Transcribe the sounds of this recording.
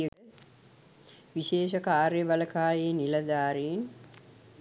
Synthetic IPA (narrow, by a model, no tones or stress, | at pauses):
ə | ʋiʃeːʃɐkaːɾjəʋɐləkaːjeːnilɐd̪aːɾeːn